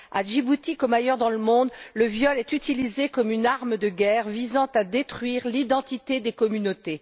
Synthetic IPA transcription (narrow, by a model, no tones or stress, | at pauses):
aʒibut̪ikɔmajœʁd̪ɑ̃ləmɔ̃d̪ləvjɔlɛt̪yt̪ilizekɔmynaʁməd̪əɡʲɛʁvizɑ̃t̪ad̪et̪χɥiʁlid̪ɑ̃t̪it̪ed̪ekɔmynot̪e